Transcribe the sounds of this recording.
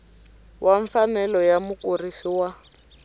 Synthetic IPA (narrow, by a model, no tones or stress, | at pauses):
wʔaɱfanɛlɔjamukurisiwa